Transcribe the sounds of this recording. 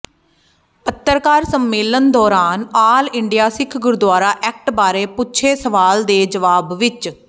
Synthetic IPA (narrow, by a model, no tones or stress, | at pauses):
ət̪ːəɾkaːɾsəmːeːlənd̪ɔːɾaːnaːlɪɳɖijaːsɪkʰɡʊɾd̪waːɾaːʔɛːk̚ʈbaːɾeːpʊt͡ʃʰeːsəʋaːld̪eːd͡ʒəʋaːbʋɪt͡ʃ